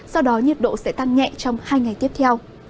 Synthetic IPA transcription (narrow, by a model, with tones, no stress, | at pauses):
sɔ˧wɗɔ˨˦ɲə˨˩t̚ɗo̰˧˨sɛ̰˧˥t̪a˧ŋŋɛ̰˧˨t͡ɕɔ˧wŋ͡mhaː˧jŋa˨˩jt̪i˦˥əp̚t̪ʰɛ˧w